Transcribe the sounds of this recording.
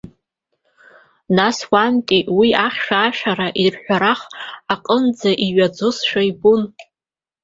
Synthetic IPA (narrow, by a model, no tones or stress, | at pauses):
naswantʼiwiaχʲʃᶣaːʃᶣaɾaʔirħʷᶣaɾaχaqʼənd͡zaʔiɥad͡zʊsʃᶣajbun